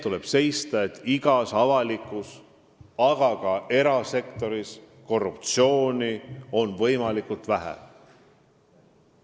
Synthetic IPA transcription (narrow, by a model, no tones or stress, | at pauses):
t̪ule̞b̥se̞jst̪ɑe̞t̪ːiɡ̥ɑsɑvɑlikːˑus | ɑɡ̥ɑkɑe̞ɾɑse̞kt̪o̞ɾis | ko̞rːup̚t̪sio̞ːnʲio̞nvɤ̞jmɑlikult̪væɦæ̰